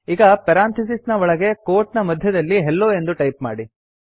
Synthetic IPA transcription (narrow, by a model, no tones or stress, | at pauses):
iːɡɐpɐɾaːnt̪ʰis̬isnɐʋɔɭɐɡe̞koːɾʈnɐmɐd̪ʱjɐd̪ɐlːiɦelːoːe̞nd̪uʈɐjpma̰ːɽi